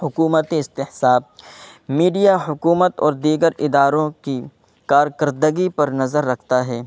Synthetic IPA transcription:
hʊkuːmət̪eɪst̪ɪhsaːb̚miːɖijaɦʊkuːmət̪ɔːɾd̪iːɡəɾɪd̪aːɾõki | kaːɾkəɾd̪əɡipɐɾnɐzəɾːɐkʰt̪aɦɛː

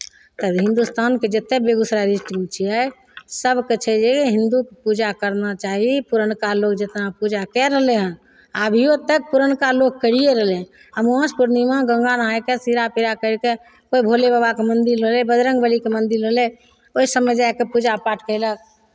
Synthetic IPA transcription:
t̪əɦɪ̃nd̪ust̪ʰanked͡ʒət̪ːebeɡusɾaɾisʈt͡ʃʰiɛe | səbkət͡ʃʰɛd͡ʒeeɦind̪ukepud͡ʒakəɾnat͡ʃaɦipuɾənkalokd͡ʒet̪napud͡ʒakɛɾəɦleɦɛ̃ | abʱiot̪ək̚puɾənkaloɡ̚kəɽieɾəɦleɦɛ̃ | əmspuɾnimẽɡə̃ŋɡanakesiɾapiɾakəɾke | koibʱolebəbakemənd̪iɾːəɦlebəd̪ɾə̃ŋɡbəlikemə̃nd̪iɾəle | oisəmɛd͡ʒaekepud͡ʒapaʈkəɪlək̚

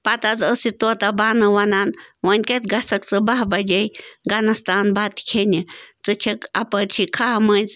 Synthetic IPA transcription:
pat̪at͡səsit̪ut̪abanɨwananwənket̪ɡasəkt͡sɨbahbajejɡanast̪anbat̪i̥kʰeɲət͡sɨt͡ʃʰəkapət͡ʃʰikʰahamə̃ɲt͡s

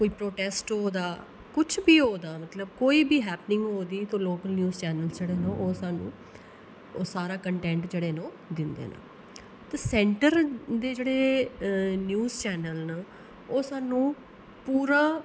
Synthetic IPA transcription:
koːiːpɾoːʈɛːsʈɦoːd̪aː | kʊt͡ʃʰbiːɦoːd̪aːmət̪ləb̚koːiːbiːɦɛːpnɪ̃ŋɡɦoːd̪iːt̪õːloːkəlnjuːzt͡ʃɛːnəlsd͡ʒeːɽeːnõːʔoːsaːnṵ̃ː | oːsaːɾaːkəɳʈɛ̃ːɳʈd͡ʒeːɽeːnõː | d̪ɪnd̪ḛːna̰ː | t̪əsɛ̃ːɳʈəɾd̪eːd͡ʒeːɽeː | njuːzt͡ʃɛːnəlnə | oːsaːnũː | puːɾaː

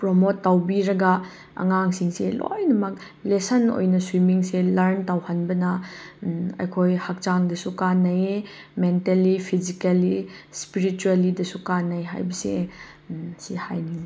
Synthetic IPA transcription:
pɾomotːawbiɾɐɡɐ | ɐ̰ŋaŋsiŋselo̰jnɐmɐk | lesɐno̰jnɐswimiŋselɐɾntawhɐnbɐnɐ | ɐ̰jkʰojhak̚t͡ʃaŋdɐsukanːɐje | mentelːipʰizikalispiɾit͡ʃuelidɐsukanːɐjɦa̰jbɐsḛ | sihajniŋ

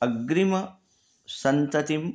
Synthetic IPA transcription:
ʔɐɡɾɪmɐ | sɐnt̪ɐt̪ɪm

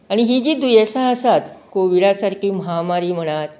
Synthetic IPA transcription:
aɽ̃iɦid͡ʑiːd̪ujesãəsat̪koʋiɽasaɾkʰiːməɦamaɾiːm̤əɽ̃at̪

